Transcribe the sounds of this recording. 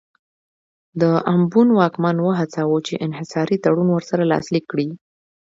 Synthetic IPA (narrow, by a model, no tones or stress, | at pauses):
d̪əambunwɑkmanwəɦat͡sawot͡ʃeʔɪnɦɪsɑɾit̪aɽunwəɾsaɾalɑ̰slikːɽi